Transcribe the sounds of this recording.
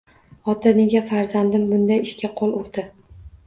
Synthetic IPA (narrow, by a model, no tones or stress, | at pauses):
ɒt̪ʰaneɡʲafaɾzand̪ɪmbʊnd̪ajɪʃkʲaqʰolˠʊɾd̪̥ɪ